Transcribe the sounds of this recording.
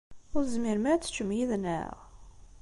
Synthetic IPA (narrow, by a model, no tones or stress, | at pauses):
ʊɾzmiɾmæt͡sːt͡ʃːəmjiðnæ̰ʁ